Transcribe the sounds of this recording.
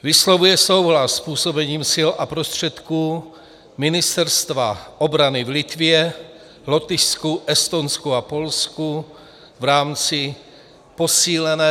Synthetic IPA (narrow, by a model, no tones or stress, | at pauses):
vislovujɛsowɦlasːpuːso̞bɛɲiːmsɪlapɾost̪r̝̥ɛt̪kuː | mɪnɪst̪ɛɾst̪vaobɾanɪvlit̪vɪɛ | lot̪ɪskuʔɛst̪onskuapo̞lsku | vɾaːmt͡sɪ | posiːlɛnɛː